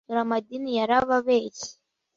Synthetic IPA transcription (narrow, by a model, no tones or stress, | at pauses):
uɾamadinijaɾaβaβeːci̥